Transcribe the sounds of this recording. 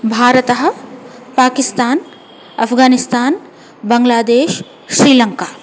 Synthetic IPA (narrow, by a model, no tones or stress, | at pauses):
bʱaːɾət̪ɐɦɐ̆paːkɪst̪aːn | ɐpʰɡaːnɪst̪aːn | bɐŋɡlaːd̪eːʃ | ʃɾiːlɐŋkaː